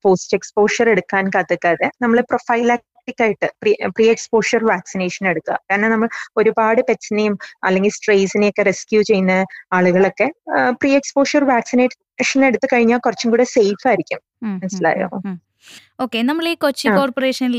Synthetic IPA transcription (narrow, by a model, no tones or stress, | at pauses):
poːstekspo̞ːʂɐre̞ɽukːaːnkat̪ːɨkːaːðenɐmːɐɭeprofɐjlaːk̚ | ʈːikʲːaːjiʈːɨpripriːekspo̞ːʂɐrʋaːksineːʂɐne̞ɽut̪ːuɐ̰kaːnenɐmːɐɭo̞ɾubaːɽɨpet͡ɕːɐnejumɐ̰lːe̞ŋɡilsʈreːsinejokːe̞reskjuːt͡ɕe̞junːɐaːɭuɣɐɭo̞kːe̞priːe̞kspo̞ːʂɐrʋaːksineː | ʂɐne̞ɽut̪ːɨkɐɻiɲːaːkurɐt͡ɕːumkuːɽese̞jfaːjiɾikʲːum | mɐnɐsila̰ːjo̰ː | oːkːenɐmːɐɭiːkot͡ɕːiakoːrporeːʂɐnil